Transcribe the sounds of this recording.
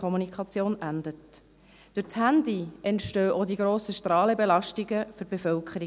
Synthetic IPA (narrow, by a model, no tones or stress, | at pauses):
ɔmunikʰχɑt͡sjoːnʔændət | d̥ʏɾt͡shænd̪iʔɛntʃtøːʔod̪iɡɾoːsəʃtɾɑːləbelɑʃtiɡəfʏɾb̥efœlkʰχəɾi